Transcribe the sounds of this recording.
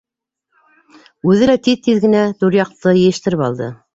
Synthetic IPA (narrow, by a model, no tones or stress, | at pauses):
ʉðɘlæt̪iðt̪iðɡɘ̆næt̪uɾjɑq̚t̪ɤjɘ̆jɘ̆ʃt̪ɘ̆ɾɘpɑ̰lˠd̪ɤ̰